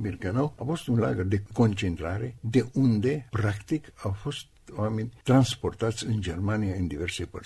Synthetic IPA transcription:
birɡanawafo̞st̪unla̰ɡərd̪e̞ko̞nt͡ʃe̞nt̪ɾaɾe̞d̪e̞ʔund̪e̞pɾakt̪ikawfo̞st̪oamenʲt̪ɾanspo̞rt̪at̪sʲɨnd͡ʒe̞rmaniaɨnd̪ive̞rsepə̰r

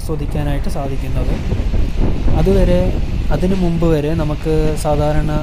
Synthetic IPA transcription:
sɐd̪ʱikʲːaːnaːjiʈːɨsaːd̪ʱikʲːunːɐðɨ | ɐðuʋɐɾe̞ɐðinɨmumbɨʋɐɾe̞nɐmukːɨsaːd̪ʱaːɾɐɳɐ

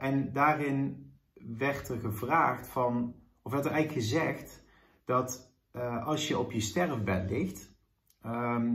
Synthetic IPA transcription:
ʔɛndaːrɪn | ʋɛɹtərɣəvraːxtfɑn | ɔfɛtərɛjɣləkxəzɛxt | d̥ɑt | ɑlˠsjəɔpjəstɛrəʋɛtlɪxt | m

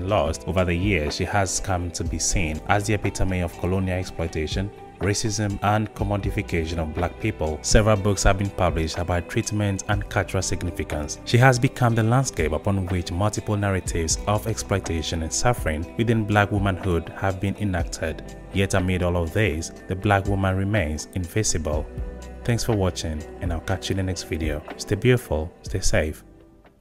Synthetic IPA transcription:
nlɔstovə˞ðɨjiɹz̥ʃihəz̥kʰʌ̃mtʰubisĩnʔazðiɛpitʰəmiɔv̥kʰəlõniəlˠɛksplɔɪtʰeɪʃə̃n | ɹeɪsɪzə̃mə̃nkʰəmɔdifikʰeʃə̃nɔvblak̚pʰipəl̩ˠsɛvəɹəlˠbʊkshəvbĩnpʰʌblɪʃtəbaɪtʰɹ̥itmɛ̃ntʰə̃nkʰʌlˠt͡ʃəɹəlˠsɪɡnɪfɪkə̃nsʃiəzbikʰʌ̃mðəlãnd̥skeɪpəpʰɔ̃nwɪt͡ʃmʌlˠtɪpəl̩ˠnaɹɨtʰɪvzɔvɛksplɔɪtʰeɪʃə̃nɨ̃nsʌfəɹɪ̃ŋwɨðɪ̃nblakwʊmə̃nhudhəvbĩnɪ̃næk̚tʰəd | jɛtəmɪɾɔlˠɔvðizðɨblakwʊmə̃nɹimẽɪ̃nzɪ̃ɱvɪsɨbəl̩ˠθæ̃ŋksfə˞wɑt͡ʃɪ̃ŋɨ̃nakat͡ʃɪ̃ŋðɨnɛkstv̥iɾioʊsteɪbjʉɾfl̩ˠstʰeɪseɪf

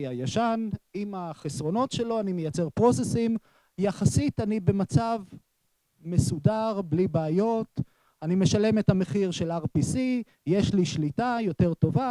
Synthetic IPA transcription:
ajaʃanimaχesʁo̞no̞tʃe̞lo̞anime̞jat͡se̞ʁpʁo̞sesim | jaχasitanibe̞mat͡sav | me̞sudaʁblibeːjo̞t | anime̞ʃale̞methame̞χiʁʃe̞laʁpisi | je̞ʃliʃlitajo̞te̞ʁto̞va

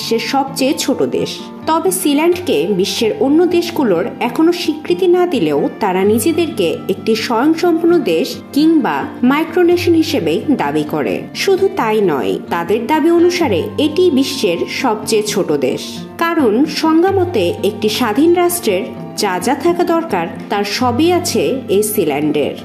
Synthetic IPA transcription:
ʃːeɾʃɔb̚t͡ɕejt͡ɕʰoʈod̪ḛʃ | t̪ɔbesilaɳɖkebiʃːeɾonːod̪eʃɡuloɾɛkʰonoʃikɾit̪inad̪ileot̪aɾanid͡ʑed̪eɾkeek̚ʈiʃɔjoŋʃɔmpuɾnːod̪eʃ | kiŋbamajkɾoneʃonɦiʃebed̪abikoɾḛ | ʃud̪ʱut̪ajnɔ̰jt̪ad̪eɾd̪abionuʃaɾeeʈibiʃːeɾʃɔb̚t͡ɕet͡ɕʰoʈod̪ḛʃ | kaɾonʃɔŋɡamot̪eek̚ʈiʃad̪ʱinɾaʃʈɾeɾ | d͡ʑad͡ʑat̪ʰakad̪ɔɾkaɾt̪aɾʃɔbiat͡ɕʰeejsilɛɳɖḛɾ

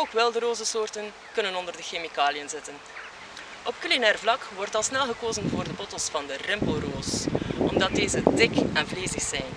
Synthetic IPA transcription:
oːkʋɛlˠdəɾoːzəsoːrtən | kɵnənɔndərdəxemikaːlijənzɪtən | ʔɔp̚kylinɛːrvlɑkʋɔrtɑlˠsnɛlˠɣəkoːzənvoːrdəbɔtəlˠsfɑndərɪmpoːroːsɔmdɑt̚deːzədɪkɛnvleːzəxsɛjn

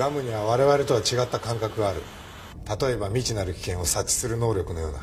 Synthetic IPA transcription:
ɡamɯ̟ɲ̟iβaβaɾe̞βaɾe̞t̪o̞βat͡ɕiɡat̪ːakãŋkakɯ̟ɡaːɾɯ̟̰ | t̪at̪o̞e̞bamʲit͡ɕinaɾɯ̟kʲi̥kẽ̞ɰ̃o̞sat͡ɕːi̥sɨɾɯ̟no̞ːɾʲo̞kɯ̟no̞jo̞̰ːna

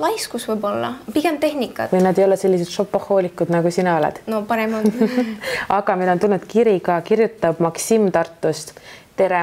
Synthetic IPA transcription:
lɑjskusvɨjbo̞lːɑ̰piɡ̥emt̪e̞ɦnʲikːˑɑ̰t̪vɯjnɑd̪e̞jo̞lese̞lʲːiset̪ʃo̞pːɑho̞ːlikːˑud̪̥nɑɡusinɑo̞lɛ̰d̪̥nopɑɾɛmɑ | ɑɡ̥ɑminont̪ulnud̪kiɾiɡɑkiɾjut̪ːˑɑb̥mɑksimt̪ɑrt̪ːˑust̪t̪e̞ɾe

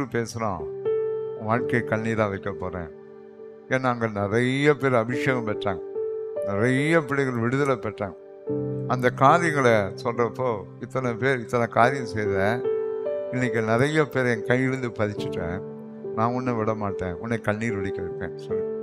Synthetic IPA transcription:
ɾɯpeːsɐɾã̰ː | ʋaːɻkekɐɳːiːɾãːʋɐɪkːɐpːoːɾḛ̃ː | eːnːaːŋɡɐnɪɾɐjɐpeːɾɐbɪʂjeːɣɐmpɛʈːaːŋɐnɪɾɐjɐpɪɽɐɪɣɐɭʋɪɽɯðɐlɐpɛʈːã̰ːɐ | ɐnd̪ɐkaːɾɪjɐŋɡɐɭɐsɔlrɐpːoː | ɪt̪ːɐnɐpeːɾɪt̪ːɐnɐkaːɾɪjɐmsɛjðɛ | ɪnːɪkːɯnɪɾɐjɐpeːɾɛnkɐjɪɽɯnd̪ɯpɐðɪt͡ʃːɯʈːḛ̃ | nãːʊnːɐʋɪɽɐmaːʈːḛ̃ːʊnːɛkɐɳːiːɾʋɪɽɪkːɐɾɯkːḛ̃ːsɔli

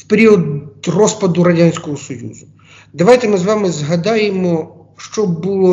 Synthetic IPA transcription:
fpeɾʲiəd̪rospɐd̪ʊɾɐdʲanʲsʲkoʊsɔjṵzʊ | d̪ɐvajt̪ʲɪmɨzʋamɨzɦɐd̪ajɪmɔ | ʂt͡ʃobɨlˠo

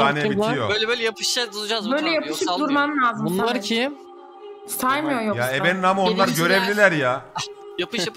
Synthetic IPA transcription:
aːnebit̪ʰɾijobøjlʲɛbøjlʲɛjapʰɯ̥ʃad̪ulˠud͡ʒazbø̞jlʲɛjapʰɯʃɯd̪uɾmanlʲaːzɯmunlˠaɾcʰi | st̪ʰajmɯjojojaebeninamao̞nlˠaɾɟø̞ɾevlʲilʲæɾjajapʰɯʃjap

